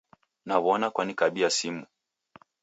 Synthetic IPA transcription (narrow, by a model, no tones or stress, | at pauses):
naβɔnakwanikaɓiasimu